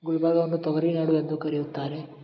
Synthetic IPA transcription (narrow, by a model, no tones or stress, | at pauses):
ɡuɭbaːɡɐonːut̪ɔɡɐɾinaːɽuend̪ukɐɾijut̪ːaːɾe